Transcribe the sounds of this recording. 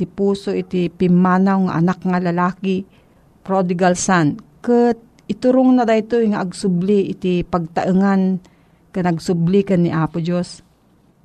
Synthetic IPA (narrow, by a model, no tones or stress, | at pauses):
t̪ɪpuːsoʔɪt̪ɪpɪmːaːnawŋa̰ʔa̰nakŋalalaːki | pɾod̪ɪɡalsankət̪̚ | ɪt̪ʊɾʊŋnad̪ajt̪ojŋaʔːɡsʊbliʔɪt̪ɪpaɡ̚t̪aʔɨŋan | kanaɡsʊblikanːiʔapʊd͡ʒos